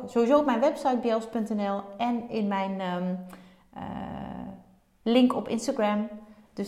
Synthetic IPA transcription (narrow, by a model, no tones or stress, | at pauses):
z̥owʋizoːɔp̚mɛjnʋɛpsajt̚bjelˠspɵntɛnɛlˠʔɛnɪnmɛjn | ə̰ | lɪŋkɔpɪ̰nstaɡrɛmd̥ø